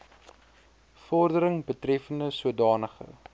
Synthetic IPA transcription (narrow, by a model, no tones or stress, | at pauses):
fɔrdəɾəŋbətrɛfəndəsuədɑːnəχə̰